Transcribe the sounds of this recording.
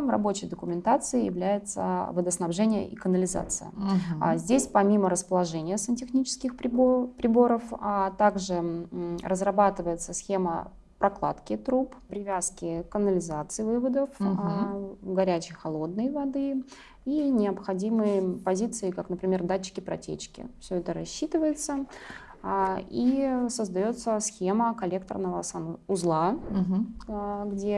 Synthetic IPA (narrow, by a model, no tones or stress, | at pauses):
rɐ̰bo̞t͡ɕɪjd̪əkʊmʲɪnt̪at̪sɨɪjɪ̰vlʲæjɪt̪sə̰vəd̪əsnɐbʐɛnʲɪjə̰ʔḭkənəlʲɪza̰t̪sɨ̰jə̰zʲdʲesʲpɐmʲiməɾəspəlˠɐʐɛnʲɪjəsəntʲɪxnʲit͡ɕɪ̥skʲɪxpʲpɾʲɪbo̞ɾəft̪aɡʐɨrəzrɐbat̪ɨvəjɪt̪səsʲxʲe̞mə̰ | pɾʔɐklˠa̰t̪kʲɪt̪ɾuppɾʲɪvʲaskʲɪkənəlʲɪzat̪sɨjvɨvəd̪əf | ɡɐɾʲæt͡ɕɪjxɐlˠo̞d̪̚nəjvɐd̪ɨ | inʲɪəpxɐdʲimɨjpɐzʲit̪sɨɪkaknəpɾʲɪmʲe̞rd̪at͡ɕːɪ̥kʲɪpɾɐ̰tʲḛt͡ɕkʲɪ̰fsʲɵɛt̪əɾɐɕːit̪ɨvəjɪt̪sə | isəzd̪ɐjo̞t̪səsxʲe̞məkɐlʲek̚t̪ə̰rnəvəsɐmʊzlˠa | ɡdʲe